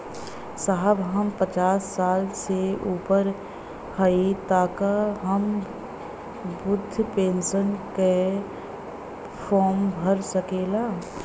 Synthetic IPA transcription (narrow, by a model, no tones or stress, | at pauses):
saɦəbɦəmpət͡ʃaːsːaːlseuːpəɾ | həit̪aːkaɦəm | bʊd̪ʱːpẽːnsənke | fʰɔːmbʱəɾsəkeːlaː